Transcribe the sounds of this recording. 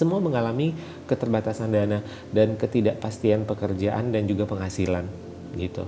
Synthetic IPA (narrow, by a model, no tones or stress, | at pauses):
səmuaməŋalami | kət̪ərbat̪asandana | dankət̪idaʔpast̪ianpəkərd͡ʒaʔa̰ndand͡ʒuɡapəŋɦasilan | ɡit̪ṵ